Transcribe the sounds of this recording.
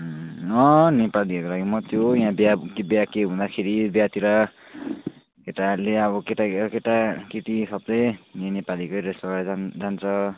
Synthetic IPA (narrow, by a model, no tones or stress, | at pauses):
ʌnepaliʌkolaɡimʌt̪ʰjojãbjakbjakeɦũnd̪akʰeɾibjat̪iɾʌ | keʈaleʌβʌkeʈakeʈakiʈisʰʌbd̪eenepalikʌjɾesʌad͡zant͡sʰʌ